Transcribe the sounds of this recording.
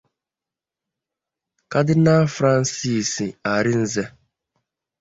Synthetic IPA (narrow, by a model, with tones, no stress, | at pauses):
ka˦dɪ˦na˦fɾa˦n̩˦si˦˨si˨a˨ɾɪ˦n̩˦ze˦